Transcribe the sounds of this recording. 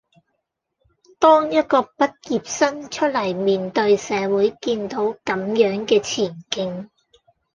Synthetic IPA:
t̪ɔː˥ŋjɐ˥t̚kɔː˧pɐ˥t̚jiː˨p̚sɐ˥nt͡ʃʰɵ˥t̚lɐ˨˩jmiː˨nt̪ɵ˧ɥsɛː˨˧wuː˨˥jkiː˧nt̪o˨˥wkɐ˨˥mjœː˨˥ŋkɛː˧t͡sʰiː˨˩nkɪ˧ŋ

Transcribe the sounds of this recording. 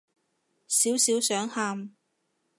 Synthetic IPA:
siː˨˥wsiː˨˥wsœː˨˥ŋhaː˧m

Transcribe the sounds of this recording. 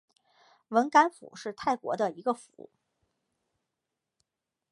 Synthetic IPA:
wə˧˥nka˥nfṵ˨˩˦ʂɻ̩˥˧t̪ʰa˥˩ɪkwɔ̰˧˥d̪ə˧i˧˥ɡə˧fu˧˩˥

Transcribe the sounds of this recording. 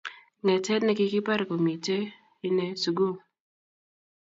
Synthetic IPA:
ŋɛ˨tɛ˦dnɛ˨˦kɪ˦kɪ˦pa˦ɾko˨mi˨te˦ | i˦ne˦su˨ɡo˦˨

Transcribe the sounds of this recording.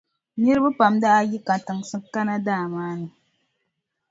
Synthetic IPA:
ɲi˦ɾɨ˦bɨ˦pa˨mda˦ʔa˦ji˦ka˨tɨ˨ŋsɨ˦ka˦na˦daː˦˨maː˦nɨ˨

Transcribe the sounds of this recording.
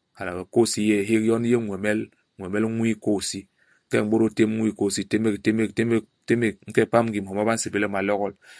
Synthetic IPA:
ka˨la˨ba˨ko˦si˦je˦˨ɦe˦kjɔ˦n˦je˦ŋʷɛ˨mɛ˦l | ŋʷ˨ɛ˨mɛ˦lŋwi˦ko˦˨si˦ | ŋ̩˦kɛ˦˨ŋ̩˦ɓo˦ɾo˦te˦m˦ŋʷ˦i˦˨ko˦˨si˦te˦me˦kte˦me˦˨te˦me˦te˦me˦˨k̚ŋ̩˦kɛ˦˨pa˦mŋ̩ɡi˨m˨ɔ˨ma˦ba˦n̩˦se˨be˦le˦ma˨lɔ˦ɣɔ˦l

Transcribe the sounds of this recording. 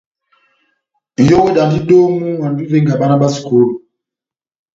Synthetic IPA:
n̩˨jo˦wo˦da˨ndi˦do˦ŋu˦wa˨n˨di˦ve˦ŋɡa˨ɓa˦na˦ɓa˦si̥˨ko˦lu˨

